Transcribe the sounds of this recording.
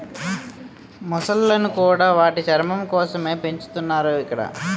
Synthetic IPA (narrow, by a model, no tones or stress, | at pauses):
mɔsɐlːɐnukuːɽaːʋaːʈit͡ʃɐɾmɐmkɔːsɐme̞ːpe̞ɲt͡ʃu̥t̪unːaːɾuːikːɐɽɐ̰